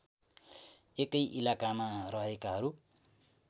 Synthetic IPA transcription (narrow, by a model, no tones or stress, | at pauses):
ekʌjʔilakamarʌɦekaɦʌɾu